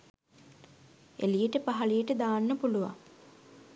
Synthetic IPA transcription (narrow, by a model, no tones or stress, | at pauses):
elijəʈəpaɦɐlijəʈəd̪aːnːəpuluʋa̰ŋ